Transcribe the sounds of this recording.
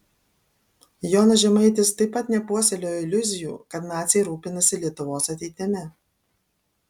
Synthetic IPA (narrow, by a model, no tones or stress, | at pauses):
joːnɐʒʲɛmɐɪt̪ʲɪst̪ɐɪppːɐt̪nʲɛpuɔsʲɛlʲoːjɪlʲʊzʲɪjṵːkɐt̪nɑːt̪sʲɪjɛɾuːpʲɪnɐsʲɪlʲiɛt̪ʊʋoːsɐt̪ʲɛɪt̪ʲɪmʲɛ